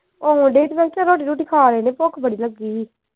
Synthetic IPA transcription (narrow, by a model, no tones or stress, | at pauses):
õɖeːʈbɛ̃ːt͡ʃaɾoːʈ̬iːɾuːʈ̬iːkʰaːɾeːnẽːpokʰbəɽiːləɡiː